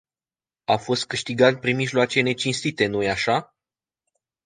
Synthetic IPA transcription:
afo̞st̪̚kɨʃt̪iɡat̪̚pɾimiʒloat͡ʃe̞ne̞t͡ʃinst̪it̪e̞nojaʃa

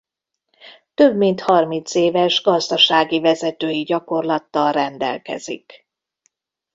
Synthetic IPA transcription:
t̪ø̞bmint̪hɒrmint̪seːvɛʒɡɒzd̪ɒʃaːɡivɛzɛt̪øːjiɟɒko̞rlɒt̪ːɒlrɛnd̪ɛ̰lkɛ̰zḭk

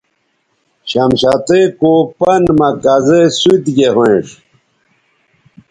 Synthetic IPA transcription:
ɕɐmɕat̪ekopɐnmɐkazesuit̪ɡeɦwẽʂ

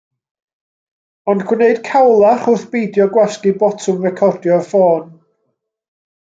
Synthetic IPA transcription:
ɔndkʰwɪneɨd̥kʰawlˠaχʊθb̥ejdjɔɡwɛskibɔtʰʊmrɛkʰɔrdjɔfoːn

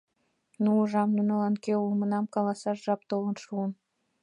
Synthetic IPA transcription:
nuəʒɑmnunɑlɑnkeulmə̆nɑmkɑlɑsɑʃʒɑp̚t̪olə̆nʃuən

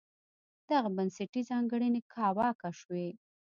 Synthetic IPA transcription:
d̪̥aɣabanseʈizɑŋɡəɽinekʰɑwɑkaʃwe

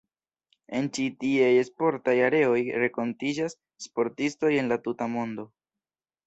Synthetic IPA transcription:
e̞nt͡ʃitiajespo̞ɾtajaɾe̞o̞jɾe̞ko̞ntid͡ʒasː | po̞ɾtisto̞je̞nlatutamo̞ndo̞

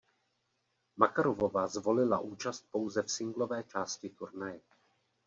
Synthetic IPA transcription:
makaɾovovazvo̞lɪla̰ʔuːt͡ʃast̪̚po̞wzɛfsɪŋɡlo̞vɛːt͡ʃaːscɪt̪uɾnajɛ

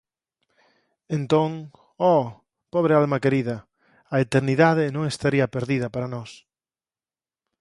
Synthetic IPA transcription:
ẽnt̪õŋ | ɔ | pɔβ̞ɾealmakeɾiðɐ | aet̪eɾniðað̞enõŋest̪aɾiɐpeɾðiðɐpaɾanɔs

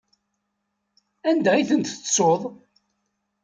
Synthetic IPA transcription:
ænd̪æiθənt̪əsˤːoðˤ

